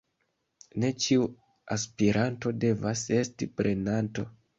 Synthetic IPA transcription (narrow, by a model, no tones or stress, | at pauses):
ne̞t͡ʃiu | aspiɾanto̞de̞vase̞stipɾʔe̞nanto̞̰